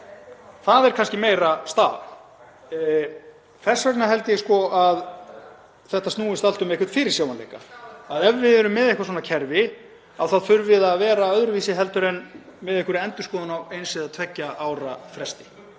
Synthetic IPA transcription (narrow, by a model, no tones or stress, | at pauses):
θaðɛɾkʰanscɪmeːjɾast̪a̰l | fɛsvɛknaɦɛl̪t̪jɪskɔʔað | θɛht̪ːast̪nuːɪst̪al̥t̪ʏmejkʏɾt̪fɪːɾɪɾ̥sjaːwanḛːjka̰aðɛvːɪðɛɾʏmːɪðehkvasoːnacʰɛɾvɪ | awθaðθʏɾvɪðaðvɛːɾaœðɾʏviːsɪɦɛl̪t̪ʏɾɛnmɪðehkʏɾɛnt̪ʏskɔːðanawejnsɪðat̪ʰvɛcːaʔaːwɾafɾɛst̪ɪ̥